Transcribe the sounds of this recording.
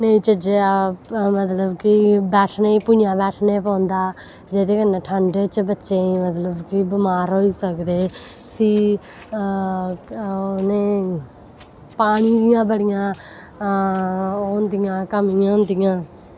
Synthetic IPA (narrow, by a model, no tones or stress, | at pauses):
nəĩːt͡ʃəd͡ʒeːamət̪ləbkɪbɛːʈʰneːipujãːbɛːʈʰneːpãːnd̪aː | d͡ʒeːt̪eːkənːẽːʈʰəɳɖt͡ʃbətːʃẽːimət̪ləbkibɪmaːɾɦoːiːsəkd̪eː | siː | nei | paːɽ̃iːd̪ɪjãːbəɽɪjãː | oːnd̪ijãːkəmɪːãːõnd̪ijãː